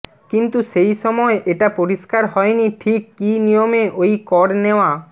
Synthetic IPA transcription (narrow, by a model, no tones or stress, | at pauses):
kint̪uʃejʃɔmɔeʔeʈapoɾiʃkaɾɦɔeniʈʰikːinijomeʔojkɔɾneoa